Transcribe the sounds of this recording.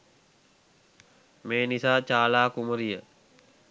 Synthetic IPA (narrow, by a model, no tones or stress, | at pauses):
meːnisaːt͡ʃaːlaːkuməɾijə